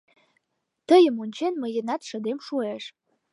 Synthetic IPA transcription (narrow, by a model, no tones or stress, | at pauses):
tʰəjəmunʲt͡ʃʰenməjenat̪ʂɐd̪emʂueʂ